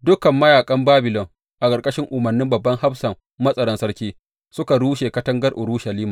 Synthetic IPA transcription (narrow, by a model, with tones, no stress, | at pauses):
dʊ˦kɐ˨mːɐ˦jaː˨kʼɐ˦mbaː˦bɪ˨lɔ˨ŋ | ʔa˨kʼɐ˨ɾkʼɐ˦ʃɪ˦ŋʔʊ˨mɐ˨nːɪ˦mbɐ˨bːɐ˦ŋha˦bsɐ˨mːɐ˦sʼɐ˨ɽɐ˦nsɐ˦ɽkʲiː˦ | sʊ˦ka˨ɽuː˦ʃeː˨kɐ˦tɐ˦ŋɡɐ˦rʔʊ˨ɽuː˦ʃɐ˨liː˦maː˨